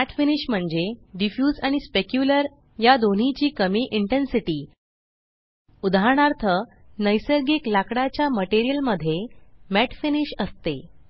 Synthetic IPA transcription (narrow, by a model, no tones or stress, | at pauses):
mæʈfiniɕm̤əɳd͡ʑeɖifjuːd͡zaɽ̃ispekjuləɾ | jad̪on̤it͡ɕiːkəmiːʔiɳʈensiʈiː | ud̪ʱaɾɳ̃aɾt̪ʰə | nəjsəɾɡiklakɽat͡ɕjaməʈiɾijəlməd̪ʱːjemæʈfiniɕəst̪ḛ